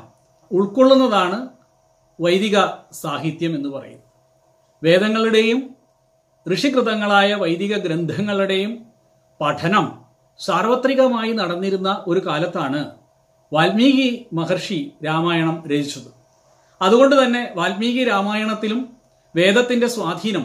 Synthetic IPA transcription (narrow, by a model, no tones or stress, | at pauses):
uɭkoɭːunːɐðaːɳɨ | ʋɐjd̪iɣɐsaːɦit̪jɐme̞nːupɐrɐ̰junː | ʋe̞ːd̪ɐŋːɐɭuɽe̞jum | krɨʂikrɨðɐŋːɐɭaːjɐʋɐjd̪iɣɐɡɾe̞nd̪ʱɐŋːɐɭuɽe̞jum | pɐʈʰɐnɐm | saːrʋɐt̪riɣɐmaːjinɐɽɐnːiɾunːɐʔo̞ɾukaːlɐt̪ːaːɳɨ | ʋaːlmiːɣimɐɦɐrʂiɾaːmaːjɐɳɐmɾed̪ʱit͡ɕːɐðɨ | ɐðuɣo̞ɳɖɨt̪ɐnːe̞ʋaːlmiːɣiɾaːmaːjɐɳɐt̪ːilum | ʋe̞ːd̪ɐt̪ːinde̞swaːd̪ʱiːnɐm